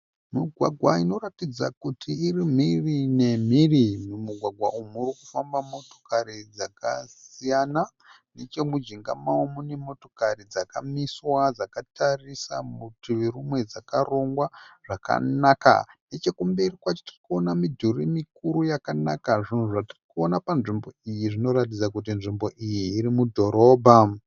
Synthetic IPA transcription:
miɡʱwaɡʱwaino̞ratid͡za̰kutʰiːrim̤irine̞m̤irimumuɡʱwaɡʱwaʔumurikufambamo̞to̞̥kaɾid͡zaka̰sijana | ne̞t͡ʃe̞mud͡ʒiŋɡa̰mawomune̞mo̞to̞karid͡zakamiswad͡zakatʰarisa̰mutiʋiɾumwe̞d͡zakaro̞ŋɡwaʐ̥aka̰naka̰ne̞t͡ʃe̞kumberikwat͡ʃo̥tirikuonamidʱurimikuɾujakanakaʐin̤uʐatirikuo̞napanʐimbo̞ijiʐino̞ɾat̬id͡zakutinʐimbo̞ʔijiːɾimudʱo̞ɾo̞ːbʱa

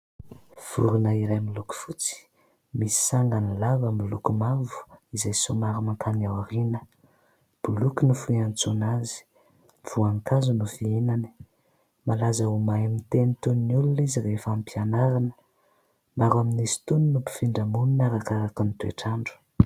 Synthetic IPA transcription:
v̥uɾunəiɾajmiluku̥fut͡si̥ | misi̥saŋɡanilavamilukumavu̥izajsumaɾimaŋkʰanawaɾinə | b̥ulukinufuiant͡sunazi̥ | v̥uaŋkazunufienani̥ | malazaumajamint̪enit̪uninululizirefampianaɾanə̥ | maɾaminisi̥t̪uninupi̥fiɳɖ͡ʐamununaɾakaɾakənit̪ueʈ͡ʂaɳɖ͡ʐu̥

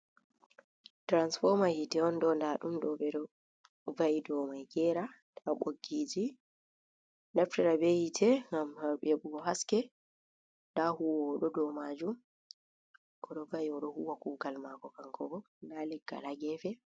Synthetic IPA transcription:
tɾansfɔɾmajitɛɔnɗɔndaɗumɗɔɓɛɗɔ | vaidɔmajɡɛːɾa | tʰaɓoɡːiːd͡ʒi | naftɛɾabejitʰɛŋɡamaɓɛbuɡɔɦaskɛ | ndahuwːɗɔdɔmad͡ʒum | kɔɗɔvaiɔɗɔhuwakuɡalmakɔkaŋkʰɔbɔ | ndalɛɡːa̰laɡɛfɛ

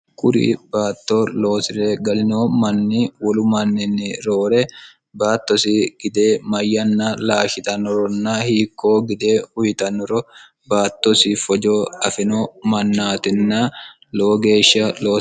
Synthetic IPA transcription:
kʼʊɾḭbaːt̪ːoːlo̞ːsɪɾɛɡɐlɪnoːmɐnːiwɔlʊmɐnːɛnːɪɾoːɾɛ | baːt̪ːɔsiɡ̥ɪd̪eːmɐjːɐnːalaːʃɪt̪ɐnɔɾɔnːɐhiːkʰːoːɡɪd̪eːhʊjɪt̪ɐnɔɾɔ | baːt̪ːɔsifɔd͡ʒoːɐfɪnoːmɐnːaːt̪ɪnːɐ | loːɡe̞ːʃːɐlo̞ː

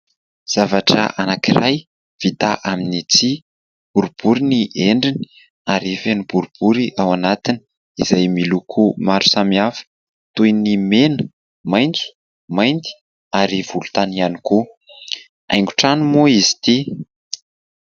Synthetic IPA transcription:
z̥avaʈ͡ʂə̰ʔanakiraj | v̥it̪aʔaminit͡si | b̥uɾub̥uɾiniʔeɳɖ͡ʐini̥ | aɾifenib̥uɾub̥uɾiʔawanat̪ini̥ | izajmilukʰumaɾu̥samiafə̥ | t̪ujnimenə | majnd͡zi̥ | majnd̪i̥ | aɾiv̥ulu̥t̪anianiku | a̰jŋɡuʈ͡ʂanumuizi̥t̪i

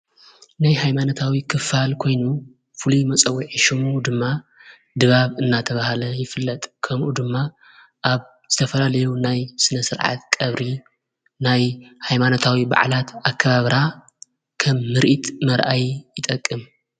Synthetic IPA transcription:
najhajmanot̪ʰawikʰɨfalkʰo̞jnu | fɨlumɐt͡sʼɐwːiʕiʃɨmud̪ɨmːa | d̪ɨβaβɨnːat̪ʰɐβahlɐjɪfɨlːɐt̪ʼkʰɐmʔud̪ɨmːa | ʔaβ | z̥ɨt̪ʰɐfɐlalɐjunajsɨnɐsɨɾʕa̰t̪kʼɐβɾi | najhajmanot̪ʰawiba̰ʕlat̪akʰːɐβaβɾa | kʰɐmːɨɾʔit̪mɐɾʔajjɪt̪ʼɐkʼːɨm

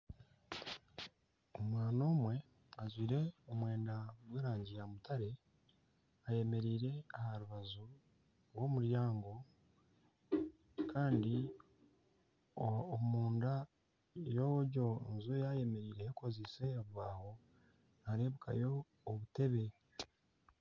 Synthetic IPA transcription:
omwaːno̞ːmwe̞ | azwiːɾe̞omwe̞ːndaɡweːɾaːɲɟijamutaɾe̞ | aje̞me̞ɾiːɾe̞ahaɾuβazu | ɾwo̞muɾjaːŋɡo̞ | kʰaːndi | omuːnda | joɟo̞enzojaje̞me̞ɾiːɾehekozese̞aβuβaːho̞ | naɾe̞ːβukʰa̰jo̞ː | βute̞βe̞

